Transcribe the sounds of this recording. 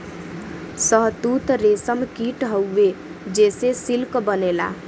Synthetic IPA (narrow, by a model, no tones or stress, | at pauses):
səɦt̪ut̪ɾesəmkiʈɦəwːe | d͡ʒesesilkbənela̰